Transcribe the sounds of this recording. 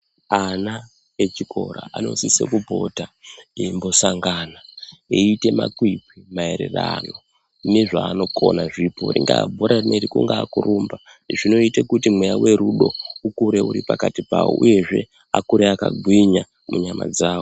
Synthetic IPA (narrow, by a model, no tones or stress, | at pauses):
ana | et͡ʃikʰo̞ɾa̰ʔano̞̰sisḛkubʱo̞taembo̞saŋɡanaeite̞ma̰kwipimae̞ɾe̞̰rano | neʐaːno̞ko̞̰naʐipo̰ɾiŋɡa̰bʱoɾaneɾikuŋɡaːkuɾuːmba | ʐino̞itekutimwejawe̞ɾuɗo̞ukuɾe̞uɾipakatipawo̰ʔuje̞ʐe̞ | akuɾeakaɡʱwiɲa | muɲama̰d͡zaːwo